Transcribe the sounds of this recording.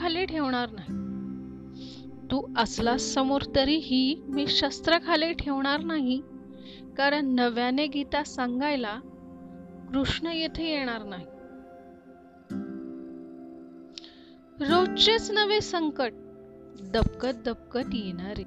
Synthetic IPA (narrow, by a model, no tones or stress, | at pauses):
aleʈʰeʋɳ̃aɾnaɦi | t̪uːəslasəmoɾt̪əɾiɦiːmiːɕəst̪ɾəkʰaleʈʰeʋɳ̃aɾnaɦi | kaɾəɳːəʋjaneɡʱit̪asaŋɡajla | kɾuʂɳəjet̪ʰejeɽ̃aɾnaɦi | ɾot͡ɕet͡snəʋesəŋkəʈ̚ | d̪əp̚kət̪̚d̪əp̚kət̪jeɽ̃aɾi